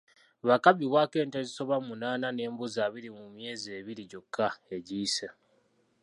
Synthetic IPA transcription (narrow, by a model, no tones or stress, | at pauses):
βakaβiβwake̞ːnteziso̞βamunaːnane̞ːmbuzaːβiɾimumje̞ːzie̞ːβiɾiɟo̞kʰːae̞ɟiːse